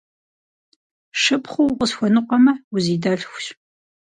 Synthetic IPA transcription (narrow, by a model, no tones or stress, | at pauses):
ʂɨpχʷʊwqəsxʷɔnɨqʷʼɔmɐuziːdaːɮxʷɕ